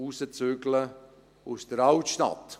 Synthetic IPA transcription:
usət͡søɡlə | usd̥əɾaltʃta̰t

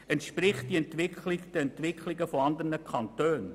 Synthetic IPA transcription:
ɛntʃpɾɪχtd̥iɛntʋɪkχlɪktd̥əɛntʋɪkʰlɪɡəfoɑnd̪ərnəkʰχɑntøːn

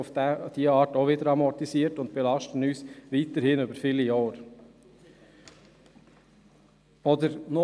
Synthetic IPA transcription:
ʊfd̥̪iːɑːtoʋɪːd̪əɾɑmɔt̪isiːtʊnt̚b̥ɛlɑʃtn̩yːsʋiːt̪əɾhɪnyːbəɾfɪlɪjoːɾ | ɔd̪əɾno

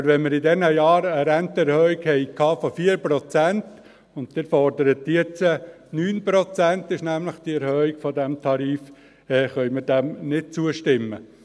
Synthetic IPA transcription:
bəɾʋɛnmɪɾɪdɛnəjɑːɾəɾɛnt̪əɛɾhœːiɡhɛɪkʰːɑːfɔfiːəɾpɾɔt͡sænt̪ | ʊntd̥ɪɾfɔɾdəɾət̚d̥iət͡sə | nyːnpɾɔt͡sænt̪ɪʃnæmləχd̥̪iɛɾhœːiɡ̥fɔdæmt̪ʰɑɾiːf | ɛːχœjməɾdæmnɪt̚t͡suəʃtɪmːə

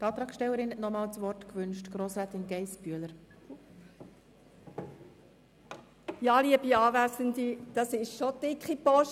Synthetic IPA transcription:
tɑːt̪ɾɑːksʃtɛwəɾɪnɛtnɔmɑːlt͡sʋɔrtkʋʏnʃtɡ̥ɾoːsɾæːtɪnɡɛɪsb̥yələɾ | jɑliəbiɑːʋæsəndid̥ɑsɪʃʃod̥ɪkχipɔʃ

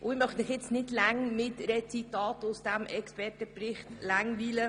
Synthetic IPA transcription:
ʔʊɪmœχdɪχjɪt͡snɪdlæŋmɪtɾɛt͡sitɑːtʊsd̥æmʔɛkspɛrtəprɪχtlæŋʋiːlə

